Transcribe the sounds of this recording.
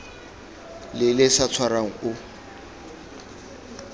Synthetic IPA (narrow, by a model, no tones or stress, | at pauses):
lɪlɪsat͡sʰwaɾaŋ̩ʊ